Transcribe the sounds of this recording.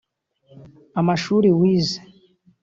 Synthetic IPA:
amaʃuːɾiwiːze̥

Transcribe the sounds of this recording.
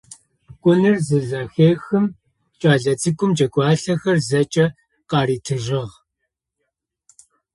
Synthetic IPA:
kʷʼʊnɨrzɨɮɐxeːxɨm | t͡ʃʼaːɮɐt͡sɨkʷʼʊmt͡ʃʼɐɡʷʼɑːɬɐxɐrzɐt͡ʃʼɐ | qɑːɾiːtʰɨʒɪʁ

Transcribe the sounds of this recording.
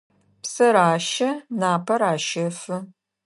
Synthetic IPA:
psɐɾaːʃɐnaːpʰɐɾaːʃɐfɨ

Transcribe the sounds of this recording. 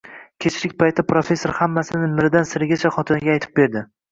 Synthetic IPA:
kʲʰe̞t͡ʃʰɾɪkʲpʰajt̪ʰːapɾofe̞sːoɾhamːasɪnɪmɪɾd̪ansɪɾɪɡʲat͡ʃʰaχɒt̪ʰɪnɪɡʲaːjt̪ʰɪ̥p̚be̞ɾd̪ɪ

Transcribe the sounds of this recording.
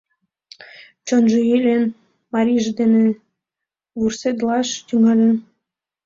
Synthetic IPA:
t͡ɕonʒeilʲen | mɑɾʲiʒd̪ene | βursed̪lɑʃt̪yŋɑlʲən

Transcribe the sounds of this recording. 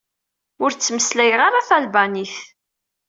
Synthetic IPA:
ʊɾt͡sːməslæjʁaɾaθælbaniθ

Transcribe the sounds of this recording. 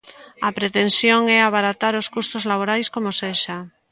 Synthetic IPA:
apɾet̪ensjoŋɛaβaɾat̪aɾoskust̪ozlaβ̞oɾajskomoseʃa

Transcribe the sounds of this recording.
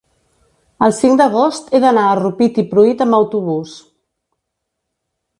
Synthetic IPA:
əlˠsiŋd̪əɣ̞ost̪eðənaərupit̪ipɾuit̪əmbəwt̪uβ̞us

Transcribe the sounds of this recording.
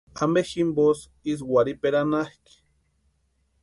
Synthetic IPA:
ameximbos | is̬waɾipeɾanahki̥

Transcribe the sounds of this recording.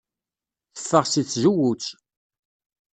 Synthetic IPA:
θə̥fːəʁsit͡sːʒuwut͡ʃː

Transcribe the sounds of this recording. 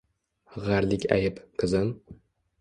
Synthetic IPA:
ʁaɾlɪkʲa̰jɪpqʰɨzɪm

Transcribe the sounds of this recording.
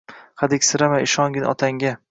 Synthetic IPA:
χad̪ɪkʲsɪɾamaɪʃɒŋɡʲɪnɒ̰t̪ʰaŋɡʲa

